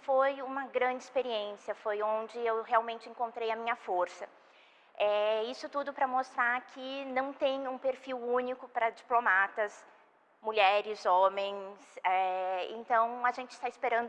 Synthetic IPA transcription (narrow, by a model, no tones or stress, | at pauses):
fojũmɐɡɾɐ̃d͡ʒɪispeɾiẽsiɐfojõnd͡ʒɪewheawmẽnt͡ʃɪẽŋkõnt̪ɾejɐmĩɲɐfoɾsɐ | ɛisʊt̪ud̪ʊpɾɐmost̪ɾaɾkʰɪnɐ̃w̃t̪ẽj̃ũpeɾfiwũnikʊpɾɐd͡ʒiplomat̪ɐs | muʎɛɾɪzõmẽj̃sɛḛ̃nt̪ɐ̃w̃ɐʒẽnt͡ʃɪst̪aɪspeɾɐ̃nd̪ʊ